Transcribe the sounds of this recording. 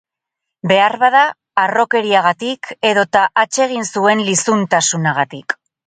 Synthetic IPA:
be̞arβaðaː | ro̞ke̞ɾiaɣ̞at̪ikʰe̞ðo̞t̪aʔat͡ʃe̞ɣ̞insue̞nlisunt̪asunaɣ̞at̪ik

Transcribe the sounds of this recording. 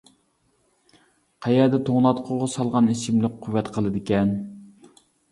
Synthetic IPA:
qʰæjɛɾd̪ɛt̪ʰoŋnɑt̪qʰʊʁɑsɑlˠʁɑnisɪmlɪk̚qʰʊvːɛt̪qʰəlˠɨd̪ɪkʲɛn

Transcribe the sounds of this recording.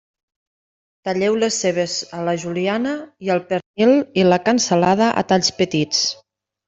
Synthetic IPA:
t̪aʎɛwlesːeβ̞ezələʒulianəiəlˠpəɾnililəkənsəlað̞əʔə̰t̪aʎspət̪it͡s

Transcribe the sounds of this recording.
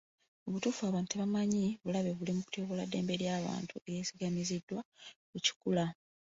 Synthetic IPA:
o̞βutuːfuaβaːntuteβamaɲiβulaβeβulimuku̥toːβoladːe̞ːmbe̞ɾjaːβa̰ːntuejeːsiɡamizidːwakuci̥kula

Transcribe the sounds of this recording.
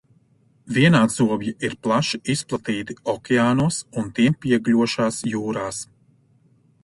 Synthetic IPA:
vʲiɛnaːzuɔbjiʔiɾplˠaʃiisplˠat̪iːt̪iɔkʲɛaːnuɔsunt̪iɛmpiɛɡlʲuɔʃaːsjuːɾaːs

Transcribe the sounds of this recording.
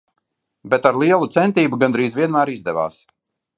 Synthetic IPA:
bɛt̪aɾlˠiɛlˠut̪sɛnt̪iːbuɡand̪ɾiːzvʲiɛnmæːɾizd̪ɛva̰ːs

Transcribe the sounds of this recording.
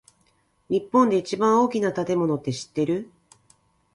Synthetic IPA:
ɲ̟ʲipːõ̞nd̪e̞it͡ɕibãɰ̃o̞ːkʲinat̪at̪e̞mo̞no̞t̪ːe̞ɕi̥t̪ːe̞ɾɯ̟

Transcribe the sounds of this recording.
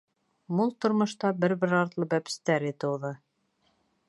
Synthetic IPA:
mulˠt̪ŏɾmŏʃt̪ɑbɘɾβɘɾɑɾt̪lˠɤbæpɘ̥̆st̪æɾit̪ɤ̆wðɤ

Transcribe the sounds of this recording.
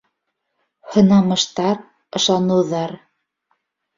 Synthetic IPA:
hɤ̆nɑmɤ̆ʃt̪ɑɾ | ɤ̆ʃɑnɤ̆wðɑɾ

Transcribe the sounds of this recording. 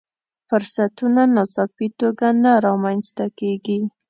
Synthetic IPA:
fʊɾsat̪unanasɑfit̪oɡanaɾɑmanzt̪akeɡi

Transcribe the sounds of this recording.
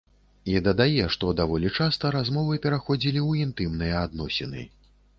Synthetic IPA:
id̪ɐd̪ajɛʂt̪ɔd̪avɔlʲit͡ʂast̪ɐɾazmɔvɨpʲɛɾaxɔd͡zʲilʲiwint̪ɨmnɨjɐad̪nɔsʲɛnɨ̰

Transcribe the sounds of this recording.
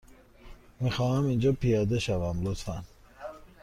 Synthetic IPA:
mixɒːhæmind͡ʒɒːpʰijɑːd̪eʃavæmlot̪fæn

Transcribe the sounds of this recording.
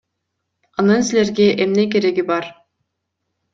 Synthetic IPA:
ɑnɯnsile̞ɾɡeʔemne̞k̬e̞ɾe̞ɡibɑɾ

